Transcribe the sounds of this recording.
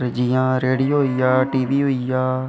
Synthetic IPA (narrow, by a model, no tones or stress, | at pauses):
ɾd͡ʒiːjãːɾeːɽiːoɦɦoiːjaːʈiːʋiːɦoːiaː